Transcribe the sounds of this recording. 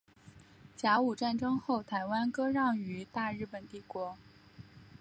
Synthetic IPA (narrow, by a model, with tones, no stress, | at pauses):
t͡ɕja˧˥u˨˩ʈ͡ʂa˥˩nʈ͡ʂɤ˥ŋxo˥˩ʊt̪ʰa˧˥ɪwa˥nkɤ˥ɻɑ˥˩ŋy˧˥t̪a˥˧ɻɻ̩˥˩pə˨˩nt̪i˥˩kwɔ˧˥